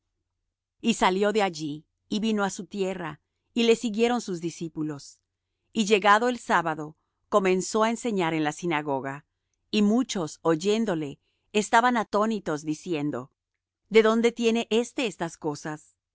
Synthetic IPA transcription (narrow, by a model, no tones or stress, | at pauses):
isaljo̞ðe̞aʝiː | βino̞asut̪je̞ra | ile̞siɣje̞ɾo̞nsuzðisipulo̞s | iʝe̞ɣaðo̞e̞lsaβaðo̞ | ko̞mẽ̞nso̞aense̞ɲaɾe̞nlasinaɣo̞ɣa | imut͡ʃo̞so̞ʝe̞nd̪o̞le̞ː | st̪aβanat̪o̞nit̪o̞zd̪isje̞nd̪o̞̰ | d̪e̞ðo̞nd̪e̞t̪je̞ne̞ʔe̞st̪e̞est̪asko̞sas